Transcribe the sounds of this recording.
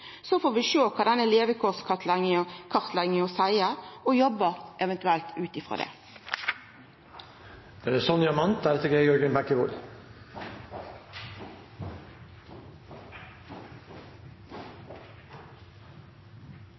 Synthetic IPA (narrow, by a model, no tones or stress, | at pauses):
sɔfoːʋɪʃoːkʰɑːd̪ɛnəleːʋəkʰɔːskʰɑt̪ʰlɛŋkʰɑʁt̪lɛŋəɔsæɪəɔjɔbːəʔɛʋɛnt̪ʉɛlt̪ʰʉːt̪ɪfʁo̰d̪ḛː | d̪̥ɛɾɛsɔnjɑmɑnt̪̚d̪æːɾɛt̪əɡeɪjɔɾɡənbækːəʋʊl